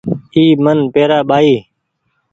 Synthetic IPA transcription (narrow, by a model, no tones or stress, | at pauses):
iːmənpeːɾaːɓaːiː